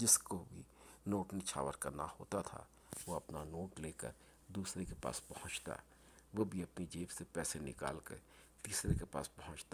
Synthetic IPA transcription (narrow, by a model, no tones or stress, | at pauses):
d͡ʒɪskobʱinoːʈnɪt͡ʃʰa̰ːʋəɾkɐna̰ho̰ːt̪at̪ʰa̰ | ʋoɐpnanoːʈleːkə̰ɾ | d̪uːsɾekepa̰ːspɐhʊ̃t͡ʃt̪a̰ː | ʋobʱiɐpnid͡ʒeːbsepɛːsenɪ̰ka̰ːlkḛ | t̪iːsɾekepa̰ːspɐɦʊ̃t͡ʃt̪a